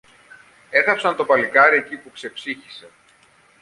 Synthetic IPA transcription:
e̞θɐpsɐnt̪o̞pɐlikɐɾie̞cipukse̞psiçi̥se̞

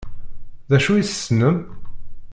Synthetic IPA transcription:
ðæʃujiθə̥sːnəm

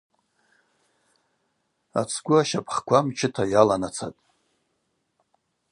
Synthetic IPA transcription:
a̰t͡sʰɡʷʊaʃapʰʼχkʷʰamt͡ʃʰɪtʰajalanat͡sʰa̰tʼ

